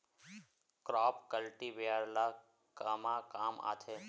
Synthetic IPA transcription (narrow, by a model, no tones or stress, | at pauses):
kɾɔːpkəlʈiʋeəɾla | kəmakaːma̰ːt̪ʰe